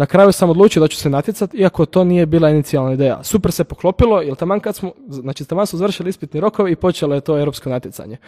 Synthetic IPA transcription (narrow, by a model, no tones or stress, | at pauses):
nakɾaːjusamo̞d̪luːt͡ʃijod̪at͡ɕu̥senat̪jesat̪iakot̪o̞ːnijebiːlˠainit̪sialnaid̪eːja̰suprsepoklˠo̞pilˠo̞jelt̪amankad̪smonaːt͡ʃit̪amansmozar̩ʃiliispit̪neɾo̞ko̞ʋeipo̞t͡ʃelojet̪o̞ːeɾopskonat̪jesa̰ɲe